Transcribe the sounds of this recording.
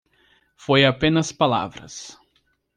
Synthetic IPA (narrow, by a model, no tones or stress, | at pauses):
fojapẽnɐspala̰vɾɐ̰s